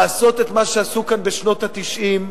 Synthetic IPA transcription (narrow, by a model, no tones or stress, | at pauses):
so̞t̪e̞t̪maʃeasukanbeʃno̞t̪at̪iʃʔim